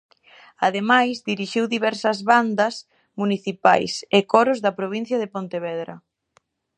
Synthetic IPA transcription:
aðemajzd̪iɾiʃiwðiβɛɾsɐzβand̪ɐs | muniθipa̰jsɪkɔɾʊzðɐpɾoβin̟θjɐðepont̪eβɛðɾɐ̰

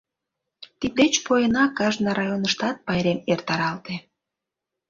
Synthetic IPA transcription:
t̪id̪et͡ɕpojənɑkɑʒnɑɾɑjonəʃt̪ɑt̪̚pɑjɾemert̪ɑɾɑlt̪e

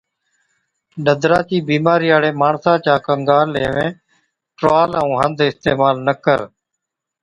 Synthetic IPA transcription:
ɗəd̪ʱɾaːt͡ʃiːbiːmaːɾiːaːɽeːmaːɳsãːt͡ʃaːkəŋɡaːlːḛːʋḛ̃ː | ʈɾaːləũːɦənd̪ʱɪst̪eːmaːlnəkəɾ

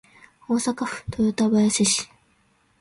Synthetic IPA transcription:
oːsakaɸɯ̥t̪ʰojot̪abajaseɕi̥

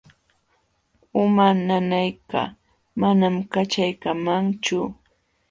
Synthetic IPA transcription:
ʊmananajka̰ | manamkat͡ʃajkamaŋt͡ʃʊ

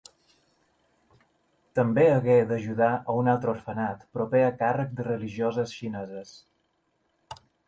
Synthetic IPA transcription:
t̪əmbeəɣed̪əʒuðaʔəunalˠt̪ɾəuɾfənat̪pɾupeəkarək̚d̪ərəliʒiozəsʃinɛzəs

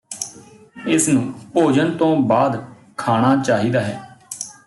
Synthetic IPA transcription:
ɪsnũːpoːd͡ʒənt̪õːbaːd̪ | kʰaːɽ̃aːt͡ʃaːɦiːd̪aːɦɛː

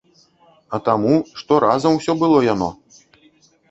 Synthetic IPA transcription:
ɐt̪amuʂt̪ɔɾʔazɐmwsʲɔbɨlˠɔjanɔ̰

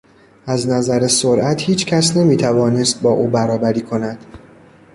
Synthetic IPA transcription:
æznæzæɾesoɾʔæt̪ʰhiːt͡ʃʰcʰæsne̞miːt̪ʰævɒːne̞st̪̚bɒːʔuːbæɾɒːbæɾiːkʰo̞næd̪̥

